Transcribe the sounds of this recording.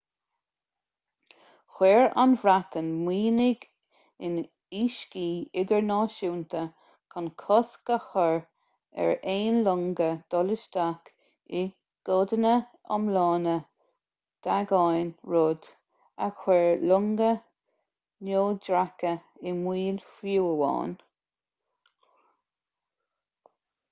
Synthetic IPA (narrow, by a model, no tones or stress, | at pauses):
xwɛːɹa̰nvɾat̪ənmiːnɪɡ | ɪn | iːʃkiːɪɡəɹnɑːʃuːnt̪ə | kʰɔnkʰɔsɡkəxəɹ | ɛ̰ɹeːnlʊŋɡəd̪̥ɔlɪʃd̪ak | ɪ | ɡ̥ɔd̪ənə | ɔ̰mlɑːnə | d̪̥aɡɑjnɹod̪ | a̰xwɛɹlʊŋɡə | noːdɹakə | ɪmwiːlfuwəwɑ̰ːn